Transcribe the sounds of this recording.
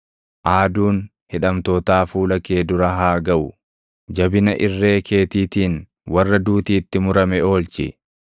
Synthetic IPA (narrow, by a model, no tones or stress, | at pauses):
ʔaːd̪uːn | hɪᶑɐmt̪ɔːt̪aːfuːlɐke̞ːd̪ʊɾɐɦaːɡɐʔʊ | d͡ʒɐbɪnɐʔɪrːe̞ːkʰe̞ːt̪iːt̪iːn | wɐrːɐd̪uːt̪iːt̪ːɪmʊɾɐmɛo̞ːlt͡ʃɪ̰